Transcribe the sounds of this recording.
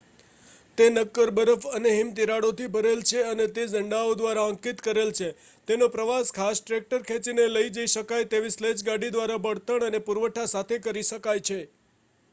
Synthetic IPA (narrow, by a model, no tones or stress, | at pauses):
t̪enəkːəɾbəɾəfəneɦimt̪iɾaɽot̪ʰibʱəɾelt͡ʃʰeənet̪ed͡ʒəɳɖaod̪ʋaɾaə̃ŋkit̪kəɾelt͡ʃʰe | t̪enõpɾəʋaskʰasʈɾek̚ʈəɾkʰɛ̃t͡ʃineləid͡ʒəiʃəkajt̪eʋisled͡ʒɡaɽid̪ʋaɾabəɽt̪əɳənepuɾʋəʈʰasat̪ʰekəɾiʃəkajt͡ʃʰe